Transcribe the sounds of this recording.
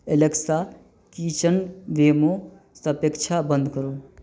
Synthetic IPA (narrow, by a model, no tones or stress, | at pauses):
eleksa | kit͡ʃənʋeːmo | səpekt͡ʃʰabə̃nd̪ʱkəɾo